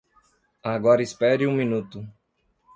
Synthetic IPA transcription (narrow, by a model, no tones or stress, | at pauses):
aɡɔɾɐispɛɾiũmĩnut̪ʊ